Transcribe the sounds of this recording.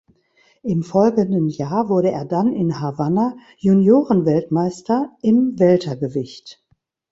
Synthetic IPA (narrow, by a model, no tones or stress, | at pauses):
ʔɪmfɔlɡəndənjaːɐvʊɐɾəeːɐdanɪnhavana | junjoːʁənvɛltmaɪstɐʔɪmvɛltɐɡəvɪçt